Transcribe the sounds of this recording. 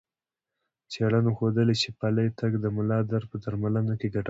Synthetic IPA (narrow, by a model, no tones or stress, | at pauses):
t͡seɽanoxod̪əlet͡ʃepaləjt̪aɡd̪əmʊlɑd̪aɾpəd̪aɾmalənokeɡaʈ